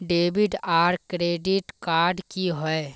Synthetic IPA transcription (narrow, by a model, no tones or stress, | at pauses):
ɖeːbɪɖaːɾkɾeːɖɪʈkaːɾɖkiɦoe